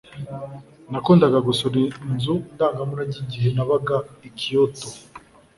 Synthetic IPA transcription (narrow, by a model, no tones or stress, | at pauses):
nakuːndaɡaɡusoɾinzundaːŋɡamunaɟiɟiɦenaβaɡaikijoto